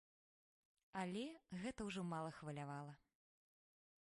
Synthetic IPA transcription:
ɐlʲɛɣɛt̪ɐwʐɔmalˠɐxvɐlʲavalˠɐ

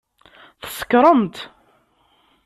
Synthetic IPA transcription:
θə̥sə̥kɾˤəmt̪

